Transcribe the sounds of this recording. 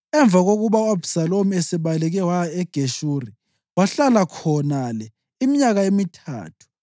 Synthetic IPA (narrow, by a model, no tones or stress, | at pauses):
ɛɱb̪vʱaɣoɣuβauabusalomiɛsɛβalɛɣɛwaɛɡ̥ʱeʃuri | waɬalakʰɔnalɛ | imiɲaɣaemitʰa̰ːtʰu̥